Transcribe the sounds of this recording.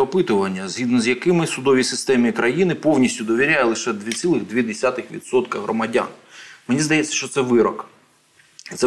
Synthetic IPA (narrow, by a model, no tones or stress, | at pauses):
ɔpɪt̪ʊʋɐnʲːɐzʲɦʲid̪nɔzjɐkɪmɪsʊd̪ɔʋʲisɪst̪ɛmikɾɐjinɪpɔwnʲisʲtʲʊd̪ɔʋʲiɾʲajɛlˠɪʃɛd̪ʋʲit͡sʲsʲilˠɪɣd̪ʲʋʲid̪esʲat̪ɪxʋʲḭd̪sɔt̪kɐɦɾɔ̰mɐdʲa̰nmenʲizd̪ɐjɛt͡sʲːɐ̥ʃt͡ʃɔt̪sɛʋɪɾɔk̪ | it̪sɛ